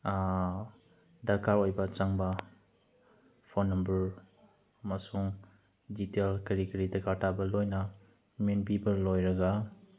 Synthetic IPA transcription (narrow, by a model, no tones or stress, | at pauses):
dɐkaɾojbɐt͡ʃɐŋbɐ | pʰonːɐmbɐɾ | masuŋ | ditelkɐɾikɐɾitɐkatʰabɐlojnɐ | menpipɐɾlojɾɐɡa